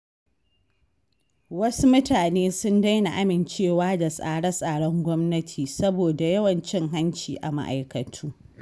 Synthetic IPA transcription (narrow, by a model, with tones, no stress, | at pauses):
wɐ˦su˦mʊ˦taː˨neː˦sʊ˦nda˦jna˨ʔa˦mɪ˨nt͡ʃeː˦˨waː˦da˨sʼa̰ː˨ɽɐ˦sʼaː˨ɽɔ˦ŋɡʷɔ˦mnɐ˦tʰiː˨sɐ˦boː˨da˨jɐ˦wɐ˨nt͡ʃɪ˦ŋɦa˦nt͡ʃiː˨ʔa̰˨ma̰˦ʔa̰˨jkɐ˨tʰuː˦